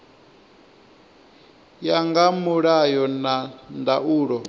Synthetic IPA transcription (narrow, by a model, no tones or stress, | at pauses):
jaŋɡamuɺajɔnandaʔuːɺɔ